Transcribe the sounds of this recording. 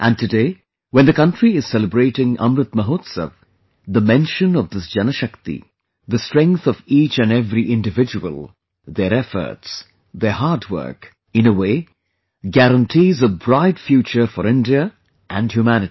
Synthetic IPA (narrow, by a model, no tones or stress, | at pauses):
ʔæ̃n̚tɨdeː | wɛ̃nd̪əkʌ̃nʈɾiɪz̥sɛləbɾeːʈɪ̃ŋʌ̰̃mɾɨt̪məɦoːt̪sə̰v | ðəmɛ̃nʃə̃nɔvd̪ɪsd͡ʒʌnəʃʌkt̪ḭ | ðəstɹɛ̃ŋkθɔviːt͡ʃɨ̃nɛvɾiʔɪ̃ndɨvɪd͡ʒuwə̰lˠ | ðəɾɛfə̰˞ts | ðəɦaɾdwə̰˞k | ɨ̃nəweː | ɡæɾə̃nʈʰizʌvbɾaɪdfjuːt͡ʃəfəɾɪ̃ndiə | ʔæ̃nhjumænɪti̥